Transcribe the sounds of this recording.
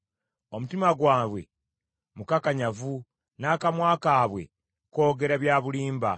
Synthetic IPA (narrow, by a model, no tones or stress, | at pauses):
o̞mutimaɡwaːβwe̞̰ | mukakaɲavu | naːkamwaːkaːβwe̞ | ko̞ːɡe̞ɾaβjaːβuliːmba